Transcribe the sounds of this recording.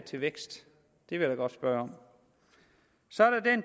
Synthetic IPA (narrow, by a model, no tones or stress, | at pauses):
t͡sʰe̝lʋeɡ̥sd̥ | d̥e̝ʋe̝̥ɑ̈ɡ̥ɒ̽d̥sb̥ɶɐɒ̽m | sɒ̽æɐɾ̥ɑd̥en